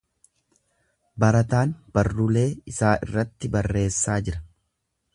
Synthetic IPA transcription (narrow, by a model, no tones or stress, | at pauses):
bɐɾɐt̪aːnb̥ɐrːʊle̞ːɪsaːʔɪ̰rːɐt̪ːɪbɐrːe̞ːsːaːd͡ʒɪɾɐ